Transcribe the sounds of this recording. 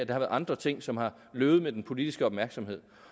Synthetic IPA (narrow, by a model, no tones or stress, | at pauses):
de̝hɑ̈ʋæɐð̩ˠɑ̈nd̥ʁɐt͡sʰe̝ŋ̰sɒ̽mhɑ̈ | løːʊð̩ˠmed̥enpʰo̝lid̥isɡ̥əɒ̽b̥mæɐɡ̥sɒ̽mhe̝ð̰ˠ